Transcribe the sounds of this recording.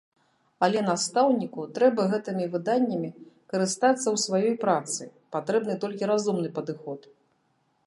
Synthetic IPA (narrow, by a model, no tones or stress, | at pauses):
ɐlʲɛnast̪awnʲikut̪ɾɛbɐɣɛt̪ɨmʲivɨd̪anʲːɐmʲikɐɾɨst̪at̪sːɐwsvajɔjpɾat̪sɨ̰pat̪ɾɛbnɨt̪ɔlʲkʲiɾazumnɨpɐd̪ɨxɔt̪